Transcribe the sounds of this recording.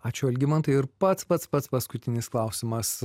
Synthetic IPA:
ɑːt͡ʃʲʊɐlʲɡʲɪmɐnt̪ɐɪɪɾpɐt̪spɐt̪spɐt̪spɐskʊt̪ʲɪnʲɪsklˠɑˑʊsʲɪmɐs

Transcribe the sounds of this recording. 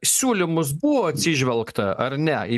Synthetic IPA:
sʲuːlʲɪmʊs̬bʊʋoːɐt̪ʲsʲɪʒʲʋʲɛlˠkt̪ɐɐɾnʲɛɪ

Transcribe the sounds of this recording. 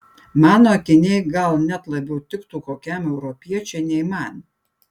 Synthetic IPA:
mɑːnoːɐkʲɪnʲɛɪɡɐlˠnʲɛt̪lˠɐbʲɛʊt̪ʲɪkt̪uːkoːkʲæˑmɛʊɾɔpʲiɛt͡ʃʲɛɪnʲɛɪmɑˑnʲ

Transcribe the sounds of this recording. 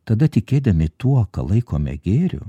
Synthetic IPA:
t̪ɐd̪ɐt̪ʲɪkʲeːd̪ɐmʲɪt̪uɔkɐ̰lˠɐɪko̰ːmʲɛ̰ɡʲeːɾʲʊ̰

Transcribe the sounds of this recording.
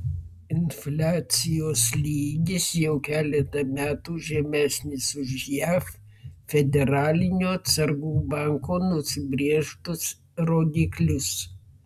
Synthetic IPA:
ɪnfʲlʲaːt̪sʲɪjoːslʲiːɡʲɪsjɛʊkʲæːlʲɛt̪ɐmʲæːt̪uːʒʲɛmʲæːsʲnʲɪsʊʒjæf | fʲɛd̪ʲɛɾɑːlʲɪnʲoːɐt̪sɐɾɡuːbɑˑŋkoːnʊsʲɪbʲɾʲiɛʃt̪ʊs | ɾoːd̪ʲiːklʲʊs

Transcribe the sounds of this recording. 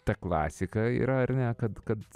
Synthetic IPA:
t̪ɐklˠɑ̰ːsʲɪkɐḭːɾɐɐrnʲɛkɐt̪kɐt̪

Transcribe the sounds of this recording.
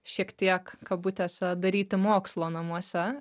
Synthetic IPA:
ʃʲiɛkt̪ʲiɛkkɐbuːt̪ʲɛsɐd̪ɐɾʲiːt̪ʲɪmoːkslˠoːnɐmuɔsʲɛ

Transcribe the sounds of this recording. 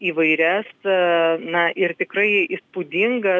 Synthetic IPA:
iːʋɐɪɾʲɛs | nɐʔɪrt̪ʲɪkrɐɪispud̪ʲɪŋɡɐ

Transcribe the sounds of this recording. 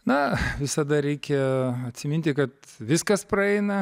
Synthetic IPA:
nɐʋʲɪsɐd̪ɐɾʲɛɪkʲɛɐt̪ʲsʲɪmʲɪnʲt̪ʲɪkɐt̪ʋʲɪskɐsprɐɛɪnɐ

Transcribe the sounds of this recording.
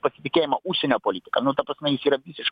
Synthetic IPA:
pɐsʲɪt̪ʲɪkʲeːjɪmɐʔuʃʲsʲɛnʲopɔlʲit̪ʲɪ̥kɐnʊt̪ɐpɾɐsnʲɛjɪsiːɾɐʋʲisʲɪʃ

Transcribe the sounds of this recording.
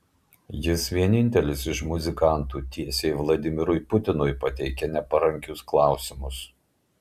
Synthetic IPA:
jɪsʋʲiɛnʲɪnʲt̪ʲɛlʲɪsɪʃmʊzʲɪkɑˑnt̪uːt̪ʲiɛsʲejʋlˠɐd̪ʲɪmʲɪɾʊjpʊt̪ʲɪnʊjpɐt̪ʲɛɪkʲɛnʲɛpɐɾɐŋʲkʲʊsklˠɑˑʊsʲɪmʊs

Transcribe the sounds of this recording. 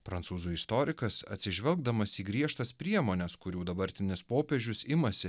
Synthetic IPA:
pɾɐnsuːzuːɪst̪ɔɾʲɪkɐsɐ̰t̪ʲsʲɪʒʲʋʲɛlˠɡ̚d̪ɐmɐsiːɡɾʲiɛʃt̪ɐspʲɾʲiɛmoːnʲɛskʊɾʲuːd̪ɐbɐɾʲt̪ʲɪnʲɪspoːpʲeːʒʲʊsɪmɐsʲɪ

